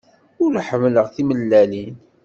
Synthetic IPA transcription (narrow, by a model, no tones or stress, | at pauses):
ʊlħəmləʁθiməlːælin